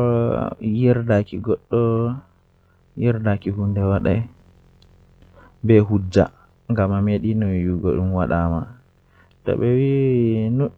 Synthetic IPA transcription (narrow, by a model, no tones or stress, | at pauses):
ɔjɛɾdakiɡɔɗːɔ | jɛɾdakihundɛwaɗa | bɛɦud͡ʒːa̰ | ŋɡamameɗinɔwjuɡɔ̰ɗumwaɗama | tɔ̰ɓɛwino